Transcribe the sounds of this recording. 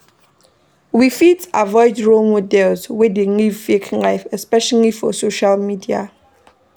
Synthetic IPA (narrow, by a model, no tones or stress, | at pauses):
wifitavɔɪdɹolmodɛlzwedelivfekʰlaɪfɛspɛʃalifɔsoʃalmidia̰